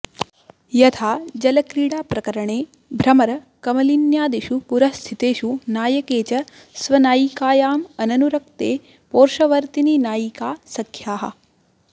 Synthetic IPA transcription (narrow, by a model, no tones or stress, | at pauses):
jɐt̪ʰaːd͡ʒɐlɐkɾiːɽaːpɾɐkɐɾɐɳeː | bʱɾɐmɐɾɐ | kɐmɐlinjaːd̪iʃupuɾɐst̪ʰit̪eːʃunaːjɐkeːt͡ʃɐ | sʋɐnaːjikaːjaːmɐnɐnuɾɐk̚t̪eː | poːɾʃɐʋɐɾt̪ininaːjikaːsɐkʰjaːɦɐ̰